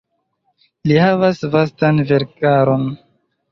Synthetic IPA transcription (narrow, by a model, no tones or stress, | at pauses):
lihavasvastanveɾkaɾo̞n